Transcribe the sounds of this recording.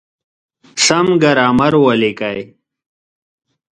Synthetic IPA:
sɐmɡɐɾaːmɐɾwɐlikɐj

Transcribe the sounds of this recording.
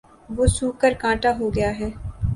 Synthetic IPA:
ʋoːsuːkəɾkãːʈaɦoɡɐjaɦɛː

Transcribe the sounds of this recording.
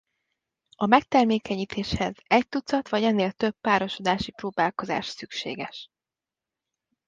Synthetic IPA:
ɒmɛk̚t̪ɛrmeːkɛɲiːt̪ʰeːʃhɛzɛc̚t̪ut̪sɒt̪ʋɒɟɛnːeːlt̪øbːaːɾo̞ʃo̞d̪aːʃiproːbaːlko̞za̰ːʃsykʃḛːɡɛʃ

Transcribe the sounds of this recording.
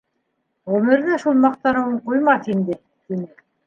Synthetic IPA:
ʁɵmɘ̆ɾðæʃulˠmɑq̚t̪ɑɾɤ̆wɴqujmɑθind̪ɘ | t̪inɘ

